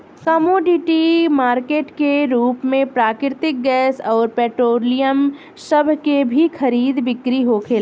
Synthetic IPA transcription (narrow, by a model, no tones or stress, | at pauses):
kɐmoːɖiʈimaːɾkeːʈkeɾuːpmẽpɾaːkɪɾɪt̪ɪk̚ɡɛːsɔːɾpɛːʈɾoːlijəm | sɐbʱkebʱixʰɐɾiːd̪ʋɪkɾiɦokʰeːl